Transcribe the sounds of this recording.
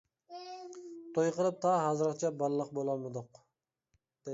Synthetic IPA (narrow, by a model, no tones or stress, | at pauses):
t̪ʰojqəɾˠɨp̚t̪ʰɑɦɑzɨɾqt͡ʃʰɛbɑlːˠəqbolˠɑmɨd̪ʊq | d̪̥e